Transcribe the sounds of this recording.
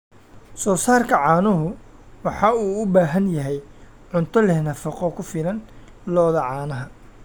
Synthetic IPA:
sɔːsaːrkʰɐʕɑːnʊɦʊ | wɑħɑuːʊbaːɦɐnjɐɦɛj | ʕʊnt̪ʰɔlɛhnɐfɐqɔkʰʊfɪlɐn | lɔːðɐʕɑːnɐɦɐ

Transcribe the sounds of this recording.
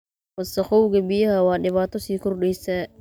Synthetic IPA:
wɐsɐxʊwɡɐbɪjɐɦɐwɑːɖɪβaːt̪ʰɔsiːkʰʊrɖɛjsɛː

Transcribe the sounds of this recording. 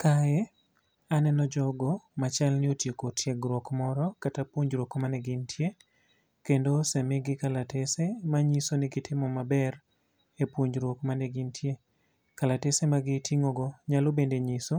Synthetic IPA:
kaɛ | anɛnɔd͡ʒɔɡɔmat͡ʃalnɪotjekotʰjɛɡɾwɔkmɔɾɔkatapwoɲd͡ʒɾwokmanɛɡɪntʰje | kendosɛmeɡɪkalatesemaɲisonɪɡɪtʰɪmɔmabɛr | epwoɲd͡ʒɾokmanɛɡɪntʰje | kalatesemaɡɪtʰiŋoɡɔɲalobendeɲiso

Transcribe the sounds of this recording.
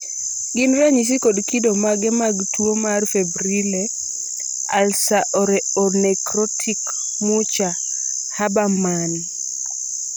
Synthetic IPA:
ɡɪnɾaɲis̬ikodkidomaɡɛmaɡtʰwomarfebɾile | alsaʔɔɾɛɔnɛkɾɔtʰik | mut͡ʃa | habamani

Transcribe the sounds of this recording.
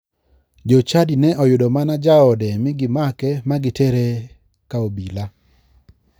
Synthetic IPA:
d͡ʒot͡ʃadinɛɔjʊdɔmanad͡ʒaɔdɛmɪɡɪmakɛmaɡɪtɛɾe | kaobila

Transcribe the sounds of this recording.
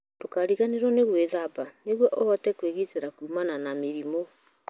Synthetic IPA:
tokaɾiɣaneɾwɔneɣweðabaneɣwɔʔɔhɔtɛkweɣiteɾakuːmananameɾimo

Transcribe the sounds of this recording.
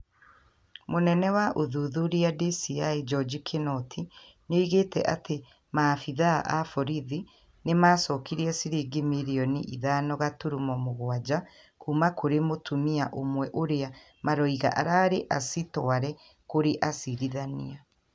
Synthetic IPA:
monɛnɛwaʔoðuðuɾiadisiaid͡ʒɔd͡ʒikʰenɔtʰi | noiɣeːtɛ̰ʔate | maːfiðaʔafɔɾiði | nemaːsɔːkiɾiɛsiɾiɡimiɾiɔnḭʔḭðaːnɔɣatuɾumɔmoɣwad͡ʑa | kumakoɾemotʰumiaʔomwɛʔoɾea | maɾɔiɣa̰ʔa̰ɾaːɾeʔasitɔaɾɛ | koɾeʔasiɾiðanḭa

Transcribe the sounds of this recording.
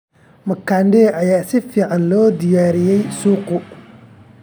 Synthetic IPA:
mɐkʰaːnɖɛːʔɐjaːsɪfiːʕɑnlɔːd̪ɪjaːɾɪjɛjsuːqʊ

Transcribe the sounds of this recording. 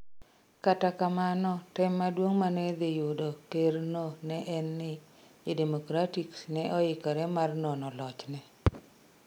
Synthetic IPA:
katakamanɔtɛmːadwoŋmanɛd̪ɪjʊdokernonɛʔɛnːɪ | edemokɾatiksnɛʔɔɪkɔɾɛmarnonɔlɔt͡ʃnɛ

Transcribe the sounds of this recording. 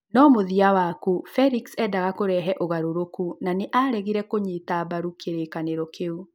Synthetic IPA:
nɔmoðiawakufɛɾiksɛːdaɣakoɾɛɦɛʔoɣaɾoɾokunaneʔaɾɛɣiɾɛkoɲitabaɾukʰeɾekaneɾɔkeu

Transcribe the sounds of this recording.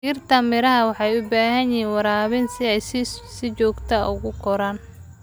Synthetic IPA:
iːrt̪ʰɐmɪɾɐɦɐwɑħɑjʊbaːɦɐnjiːnwɑɾaːβɪnsɪɛjssɪt͡ʃɔːɡt̪ʰɐʊ̰ɣʊkʰɔɾaːn

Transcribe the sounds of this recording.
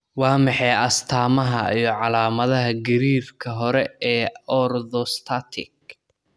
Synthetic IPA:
wɑːmɑħɛjɐst̪ʰaːmɐɦɐijɞʕɑlaːmɐðɐɦɐɡɐɾiːrkʰɐɦɔɾɛɛːɔrðɔst̪ʰat̪ʰɪ̰k̚

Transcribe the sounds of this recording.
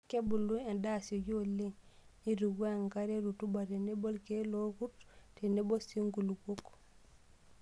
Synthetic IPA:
kebuluendasoɟoleŋiduɡoŋkaɾeɾutubatenebolkelokuttenebosiŋɡuluɡok

